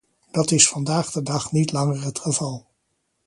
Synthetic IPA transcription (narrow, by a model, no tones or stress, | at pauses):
d̥ɑtɪsfɑndaːχdədɑχnitlɑŋərətχəvɑlˠ